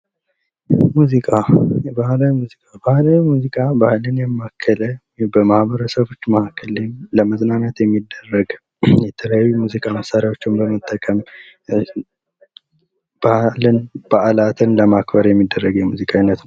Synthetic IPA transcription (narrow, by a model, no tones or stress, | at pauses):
muzikʼabahlawimuzikʼabahlawimuzikʼabahlɨnjɛmːakʰːələ | bəmahbəɾəsəβo̞t͡ʃːmahakʰːəlenləməznaɲat̪jɛmːid̪ːərːəɡ | jɛt̪ʰələjajːumuzikʼaməsaɾjawo̞t͡ʃːɪmbəmət̪ʼːəkʼəm | b̥ahlɨnb̥əʔalat̪ʰɨnləmakbəɾjɛmːid̪ːərːəɡjɛmuzikʼainːət̪nəw